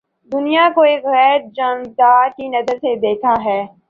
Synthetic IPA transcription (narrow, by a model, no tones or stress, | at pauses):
d̪ʊnijakoeːkɣɛːɾd͡ʒaːnd̪aːɾkinɐzəɾsed̪eːkʰaɦɛː